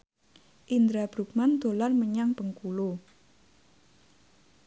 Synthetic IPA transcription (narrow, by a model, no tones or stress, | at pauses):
ʔind̪ɾab̥ɾṳk̚mand̪̥o̤larməɲaŋb̥əŋkulo